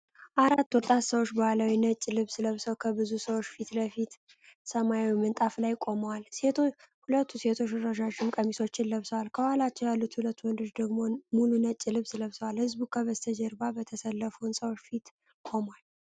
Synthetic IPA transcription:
ʔaɾat̪ːwɔt̪ʼat̪səwot͡ʃːbəaləwinət͡ʃʼːilɨβsɨləβsəwkʰəbɨzusəwot͡ʃːfit̪ləfit̪ | səmajawimɨnt̪ʼaflajkʼo̞məwale | hulət̪ʰːuse̞t̪ʰo̞t͡ʃɾəʒad͡ʒɪmkʼəmiso̞t͡ʃːɪnləβsəwalkʰəwalat͡ʃːɛwjalːut̪hulət̪ːwɔnd̪oʃd̪əɡmo̞mulunət͡ʃʼːilɨβsləβsəwalhɨzbukʰəβəst̪ʰəd͡ʒɛɾbabət̪ʰəsəlːəfuwnsəwot͡ʃːfit̪ | kʼo̞mwal

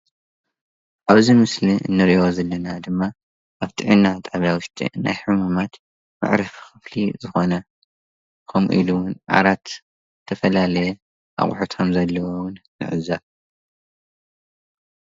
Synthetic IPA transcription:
ʔaβzimɨsliɨ̰nːɨɾiʔozɐlːɐnad̪ɨmːa | ʔaβt̪ʰiʕinːat̪ʼaβawʊʃt̪ʰʼḭna̰jħumumat̪ | ma̰ʕɾɐfxɨflḭzɨxonɐ | kʰɐmṵʔḭluwʊnʔa̰ɾat̪ | t̪ʰɐfɐlalɐjɛ | ʔa̰χʼħut̪ʰɐmzɐlːɐwowʊnmɨ̰ʕɨ̰za

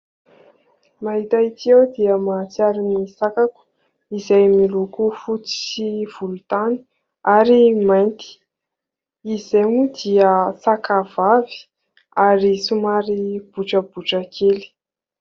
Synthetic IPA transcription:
maɦit̪ait̪iewd̪iəmat͡siaɾinisakaku̥ | izajmilukufut͡si̥siv̥ulut̪ani̥ | aɾimajnt̪i̥ | izeŋud̪iəsakavavi̥ | aɾisumaɾib̥uʈ͡ʂəbuʈ͡ʂakʰeli̥

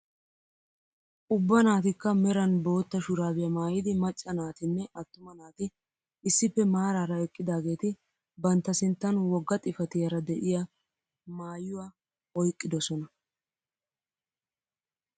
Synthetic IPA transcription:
ʔʊbːɐnaːt̪ɪkːɐmɛɾɐnbo̞ːt̪ːɐʃʊɾaːbɪjɐmaːjɪd̪ɪmɐt͡ʃʼːɐnaːt̪ɪnːɛʔɐt̪ːʊmɐnaːt̪ɪ | ɪsːɪpːɛmaːɾaːɾɐɛkʼːɪd̪aːɡe̞ːt̪ɪ | bɐnt̪ːɐsɪnt̪ːɐnwɔɡːɐt̪ʼɪfɐt̪ɪjɐɾɐd̪ɛʔɪjɐ | maːjʊwa | ɔjkʼːɪd̪ɔsɔnɐ

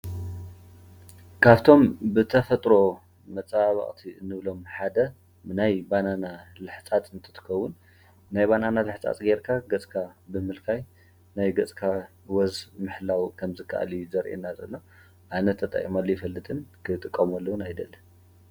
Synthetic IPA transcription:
kʰaβt̪ʰo̞mbɨt̪ʰɐfɐt̪ʼɾo̞ | mɐt͡sʼβɐ̰χʼt̪ʰiɨnɨβlo̞mħad̪ɐ | ɨnajbananalɨħt͡sʼat̪ʼɨnt̪ʰɨ̥t̪ʰɨ̥kʰɐwːʊn | najbananalɨħt͡sʼa̰t̪ʼɡeɾkʰaɡɐt͡sʼkʰabɨmɨlkʰaj | najɡɐt͡sʼkʰa | wɐzmɨħlawkʰɐmzɨkʰːa̰ʔa̰lijuzɐɾʔḛnːazɐlːo | ʔanɐt̪ʰːɐt̪ʼɐ̰χʼimalːojɪfɐlːɨt̪ʼɨnkʰɨt̪ʼɨkʼːɐmolːɐwunajd̪ɐlːɐn

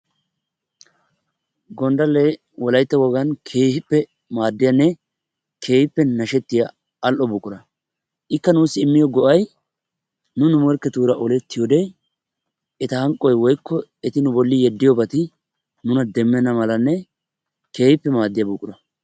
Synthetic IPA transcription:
ɡɔnd̪ɐlːɛ | wɔlɐjt̪ːɐwɔɡɐnkʰeːhɪpːɛ | maːd̪ːɪjɐnːɛ | kʰe̞ːhɪpːɛnɐʃɛt̪ːɪja | ɐlʔɔbʊkʼːʊɾɐ | ʔɪkːɐnuːsːɪɪmːɪjɔɡɔʔɐj | nʊnʊmɔɾkːɛt̪uːɾɐʔɔlɛt̪ːɪjɔd̪ɛ | ɛt̪ɐhɐŋkʼːɔjwɔjkːɔɛt̪ɪnʊbɔlːɪjɛd̪ːɪjɔbɐt̪ɪ | nʊnɐd̪ɛmːɛnːɐmɐlɐnːɛ | ke̞ːhɪpːɛmaːd̪ːɪjɐbʊkʼːʊɾɐ

